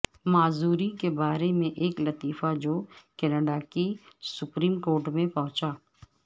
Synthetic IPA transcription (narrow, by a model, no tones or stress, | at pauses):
maːzuːɾikebaːɾemẽʔeːklɐt̪iːfad͡ʒoːkɛːnəɖakisʊpɾiːmkoːɾʈmẽpɐɦʊ̃t͡ʃaː